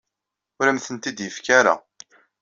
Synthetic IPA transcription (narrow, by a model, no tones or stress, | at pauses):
ʊɾæmθənt̪id̪jəfkæɾa̰